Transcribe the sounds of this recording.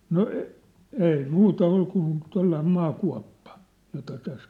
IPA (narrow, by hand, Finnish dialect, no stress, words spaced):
no ei muːtɑ ol kun tolːɑim mɑːkuɑ̝pːɑ jotɑ tæs